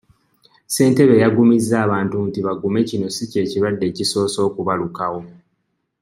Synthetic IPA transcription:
se̞ːnte̞βe̞jaɡumizːaːβaːntuntiβaɡume̞cino̞sice̞ːciβadːe̞ːciso̞ːso̞ːkuβalukawo̞

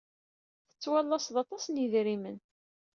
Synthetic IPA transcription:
θə̥t͡sːwɑlːɑsðɑt̪ˤɑsniðɾimən

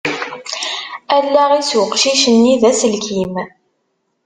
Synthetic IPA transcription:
ælːæʁiswəqʃiʃənːiðæsəlkim

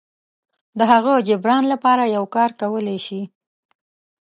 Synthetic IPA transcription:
d̪əɦaɣəd͡ʒɪbɾɑnlapɑɾajawkɑɾkawəleʃi

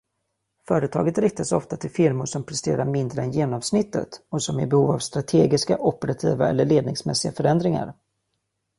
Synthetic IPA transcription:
fœːɾət̪ʰɑ̰ːɡət̪ɾɪk̚t̪asɔ̰ft̪at̪ʰɪlfɪɾmʊʂɔmpʰɾɛst̪ḛːɾaɾmɪnd̪ɾəɛnjeːnɔmsnɪt̪ːə̰t̪ɔsɔmɪbɛhuːvavst̪ɾat̪ʰeːɡɪskaʔɔpəɾat̪ʰiːvaɛ̰lːəɭeːd̪nɪŋsmɛ̰sːɪɡafœɾɛnd̪ɾɪŋa̰ɾ

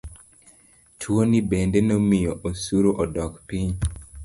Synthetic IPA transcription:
tʰwonibendenomijoʔosuɾoʔɔdɔkpiɲ

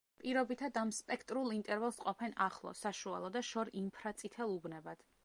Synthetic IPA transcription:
pʼiɾɔbit̪ʰad̪amspʼɛkʰt̪ʼɾulˠint̪ʼɛɾvɛlˠsqʼɔpʰɛnaχlˠɔ̰saʃua̰lˠɔd̪aʃɔɾimpʰɾat̪sʼit̪ʰɛlˠubnɛbad̪̥

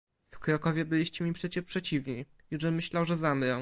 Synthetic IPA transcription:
fkɾɔkɔvʲjɛbɘlʲiɕt͡ɕɛmʲipʂɛt͡ɕɛpʂɛt͡ɕivɲi | juʐɛmɘɕlawʐɛzamɾɛ

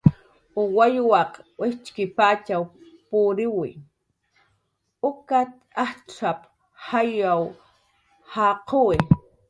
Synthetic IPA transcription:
ʊwajwɑqwɪht͡ʃkɪpat͡ʃawpʊɾɪwɪ̰ | ʊkat̪ahʈ͡ʂʰap | hajaw | haqʰoɪ

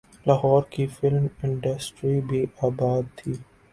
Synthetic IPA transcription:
lɐɦɔːɾkifɪlmɪ̃ɳɖəsʈɾibʱiʔaːbaːd̪̚t̪ʰiː

